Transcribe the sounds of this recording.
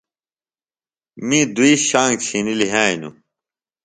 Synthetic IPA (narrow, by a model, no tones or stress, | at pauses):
mĩd̪uiːɕãːŋɡt͡ɕʰiniliɦaːinṵ